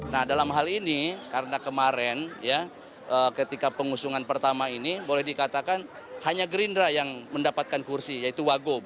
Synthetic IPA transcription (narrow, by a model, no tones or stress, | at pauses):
nahdalamɦalinikaɾənakəmaɾɛnja | ʔəːkət̪ikapəŋusuŋanpərt̪amainibolɛhdikat̪akan | haɲaɡɾindɾajaŋməndapat̪̚kankursijait̪uwaɡob